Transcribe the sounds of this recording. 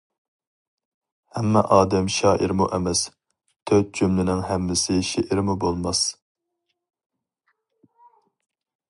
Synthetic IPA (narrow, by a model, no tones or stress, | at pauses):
hɛmːɛ̰ʔɑːd̪ɛmʃɑːʔiɾmuʔɛmɛs | t̪ʰøt̪̚d͡ʒymlɪnɪŋhɛmːɪsɪʃeʔɪɾmubolˠmɑs